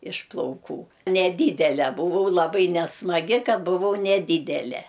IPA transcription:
ɪʃ plˠɐʊˈkuː nʲɛˈdʲiːdʲɛlʲɛ bʊˈʋɐʊ lˠɐˈbɐɪ nʲɛsmɐˈɡʲɪ kɐ bʊˈʋɐʊ nʲɛˈdʲiːdʲɛlʲɛ

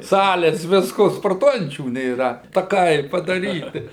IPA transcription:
ˈsɑːlʲeːs ˈʋʲɪskoː spoːrˈtuɔjɛnʲt͡ʃʲuː nʲeːˈrɐ tɐˈkɐɪ pɐdɐˈrʲiːtʲɪ

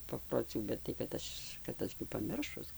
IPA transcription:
pɐproːˈt͡sʲuː bʲɛt tɐɪ kɐt ˈɐʃ kɐt ˈɐʃ ɡʲɪ pɐˈmʲɪrʃʊs

